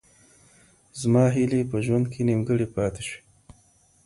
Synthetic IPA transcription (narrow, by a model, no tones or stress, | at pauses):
zmɑːɦilepəʒwand̪̚kʰenimɡəɽipɑːt̪eʃi̥